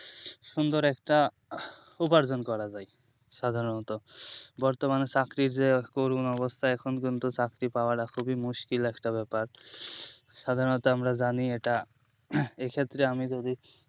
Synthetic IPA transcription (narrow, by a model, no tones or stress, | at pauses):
ʃund̪oɾɛkʈa | upaɾd͡ʑonkɔɾad͡ʑaj | ʃad̪ʱaɾonɔt̪obɔɾt̪omanet͡ɕakɾiɾd͡ʑekoɾunɔβost̪ʰaɛkʰonk̬int̪ut͡ɕakɾipaoaʈakʰubimuʃkilɛkʈabɛpaɾ | ʃad̪ʱaɾonɔt̪oamɾad͡ʑanieʈa | ekʰet̪ːɾeamid͡ʑod̪i